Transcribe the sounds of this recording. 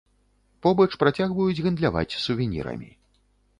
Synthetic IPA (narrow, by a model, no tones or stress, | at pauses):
pɔbɐt͡ʂpɾat͡sʲaɣvɐjud͡zʲɣɨnd̪lʲava̰t͡sʲsuvʲinʲḭɾɐ̰mʲḭ